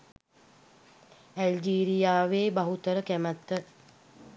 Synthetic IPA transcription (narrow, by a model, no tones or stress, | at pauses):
æld͡ʒiːɾijaːʋeːbaɦut̪əɾəkæmət̪ːə